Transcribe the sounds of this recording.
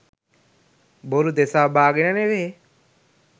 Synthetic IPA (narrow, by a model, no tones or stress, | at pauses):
boɾud̪esaːbaːɡinaneʋee